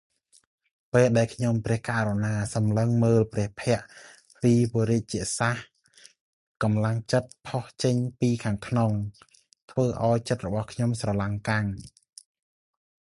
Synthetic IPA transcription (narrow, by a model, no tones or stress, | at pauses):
peːlɗaɛlkʰɲomprɛ̆əhkaːʔɾonaːsɑmləŋməːlprɛ̆əhpʰɛ̆əʔ | piːpoɾiət̪̚t͡ɕiəʔsah | kɑmlaŋt͡ɕət̪̚pʰoht͡ɕəɲpiːkʰaːŋkʰnoŋ | t̪ʰʋəːʔaɔjt͡ɕət̪̚rɔɓɑhkʰɲomsrɑlaŋkaŋ